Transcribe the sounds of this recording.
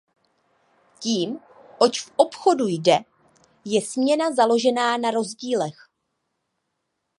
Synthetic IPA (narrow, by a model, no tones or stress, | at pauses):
ciːm | ʔo̞t͡ʃfʔo̞pxo̞dujdɛ | jɛsmɲɛnazalo̞ʒɛnaːnaɾo̞zɟiːlɛx